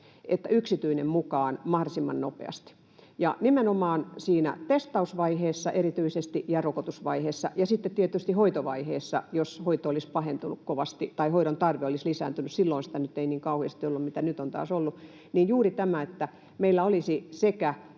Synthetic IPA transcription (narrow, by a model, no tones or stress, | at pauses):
et̪ːæyksit̪yinemmukɑːnmɑhdosimːɑ̰nnopḛɑ̰st̪i̥ | jɑ̰nimenomɑːnsiːnæ̰t̪est̪ɑusʋɑiheːsːɑʔerit̪yisest̪iʔjɑrokot̪usʋɑiheːsːɑ̰jɑsit̪ːet̪t̪iet̪ˑyst̪ihoit̪oʋɑ̰iheːsːɑ̰joshoit̪oolispɑhent̪unukkoʋɑst̪it̪ɑihoiɾont̪ɑrʋeolislisæ̰ːnt̪ynyssilːoinsi̥t̪ænyt̪ːeiniːŋkɑuhiɑst̪iolːummit̪ænyt̪ont̪ɑ̰ːsolːu | niːjjuːrit̪æmæet̪ːæ | meilːæolisisekæ